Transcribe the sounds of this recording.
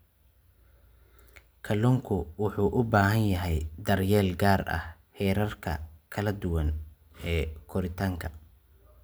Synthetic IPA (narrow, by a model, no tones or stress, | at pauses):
kʰɐlɔŋkʰʊwʊħuːʔʊbaːɦɐnjɐɦɛjd̪ɐrjɛːlɡaːrʔɐ̰h | hɛːɾɐrkʰɐ̰kʰɐlɐd̪ʊwɐn | ɛːkʰʊɾɪt̪ʰaːŋkʰɐ